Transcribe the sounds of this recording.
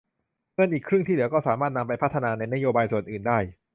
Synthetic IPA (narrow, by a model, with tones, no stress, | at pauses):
ŋɤ˧˩ənʔiː˨˩kʰɾɯ˥˩ŋt̪ʰiː˥˩dɯ˨˦wkɔː˥˩saː˩˦maː˥˩t̪̚na˧mpa˧jpʰa˥t̪ʰːa˧naː˧na˧jna˥joː˧baː˧jsu˨˩ənʔɯː˨˩ndaː˥˩j